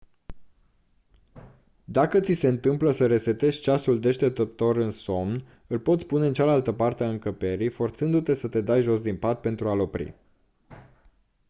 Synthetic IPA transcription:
d̪akət̪sise̞ɨnt̪ɨmpləsəɾe̞se̞t̪e̞ʃt͡ʃasuld̪e̞ʃt̪e̞p̚t̪ət̪o̞ɾɨnso̞mn | ɨlpo̞t̪sʲpune̞ɨnt͡ʃalalt̪əpart̪eaɨŋkəpe̞ɾifo̞rt̪sɨnd̪ut̪e̞sət̪e̞d̪ajʒo̞sd̪inpat̪̚pe̞nt̪ɾualo̞pɾḭ

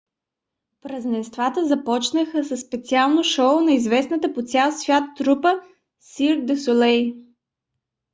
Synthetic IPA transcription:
pɾəznɛst̪vat̪əzɐpɔt͡ʃnəxəsəsːpɛt̪sialˠnoʃɔʊnɐizvɛsnət̪əpot̪sʲalˠsvʲjat̪ːɾupə | siɾd̪ɛsolɛj

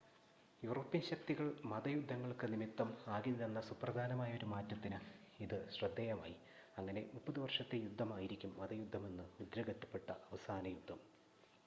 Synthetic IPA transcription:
juːro̞ːpːiɐnɕɐk̚t̪iɣɐɭmɐðɐjud̪ʱːɐŋːɐɭkɨnimit̪ːɐmaːɡinilenːɐsuprɐd̪ʱaːnɐmaːjɐo̞ɾumaːtːɐt̪ːinɨiðɨɕrɐd̪ːejɐma̰ːji | ɐŋːɐne̞̰mupːɐðiʋɐrʂɐt̪ːejud̪ʱːɐmaːjiɾikʲːumːɐðɐjud̪ʱːɐme̞nːɨud̪ɾɐɣɐtːɐ̥pːe̞ʈːɐʔɐʋɐsaːnɐjud̪ʱːɐm

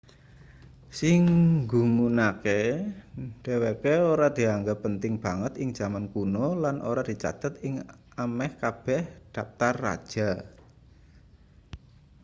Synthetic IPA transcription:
sɪŋɡumunake | ɖ̪̥e̤wekeoɾad̪̥i̤aŋɡapənt̪ɪŋb̥a̤ŋət̪ɪŋ̥d͡ʒ̥a̤mankunolanʔo̰ɾad̪̥i̤t͡ʃa̰t̪ət̪̚ɪŋ | amɛhkab̥ɛhd̪̥a̤p̚t̪arːa̰d̥ʒ̥a

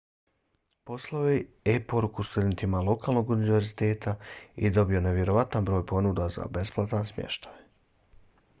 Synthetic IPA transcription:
po̞slˠaoje | epo̞ɾukust̪ud̪e̞nt̪imalo̞kaːlˠno̞ɡuniʋe̞ɾzit̪e̞ːt̪ʰaid̪o̞bio̞ne̞ʋje̞ɾo̞ʋat̪anbɾo̞ːjpo̞nud̪aza̰be̞splˠat̪ansmjḛʃt̪aj

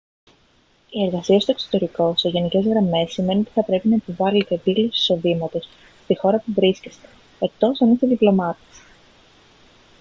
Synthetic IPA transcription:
ie̞ɾɣɐsiɐst̪oekso̥t̪e̞ɾiko̞se̞ʝe̞nice̞zɣɾɐme̞sːim̞neot̪iθɐpɾe̞pinɐepovɐlet̪e̞ːpilosisi̥so̞ðimɐt̪o̞s | st̪ixo̞ɾɐpuvɾiscest̪e̥ | ek̚t̪o̞sɐnist̪eðiplo̞mɐt̪e̥s

